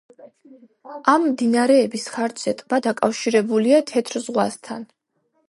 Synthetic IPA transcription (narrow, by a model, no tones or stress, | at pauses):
amːd̪inaɾɛːbisχaɾd͡ʒzɛt̪ʼbad̪akʼafʃiɾɛbuliat̪ʰɛt̪ʰɾzʁwast̪ʰa̰n